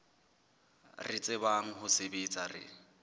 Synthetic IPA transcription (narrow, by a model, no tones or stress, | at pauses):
rɪt͡sʼɪbaŋ̩ɦʊsebet͡sʼarɪ̰